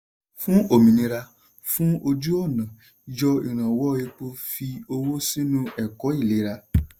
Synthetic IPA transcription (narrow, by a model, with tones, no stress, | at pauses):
fũ˦o˨mĩ˨nĩ˧ɾa˧ | fũ˦o˧d͡ʒu˦ɔ˦˨nã˨ | d͡ʒɔ˧i˨ɾ̃ã˨wɔ˨˦e˧k͡po˦˧fi˧o˧wo˦si˦nũ˦ɛ˨kɔ˨˦i˦˨le˨˦ɾa˧